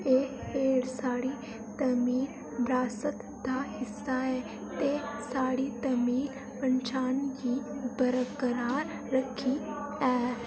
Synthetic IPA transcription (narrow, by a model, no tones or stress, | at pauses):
eeːɽsaːɽi | t̪əmiːl | bɾaːsət̪ | d̪aːɦɪsae | t̪esaːɽit̪əmiːl | pɐɲt͡ʃaːnjibəɾəkəɾaːɾːəkʰiɛː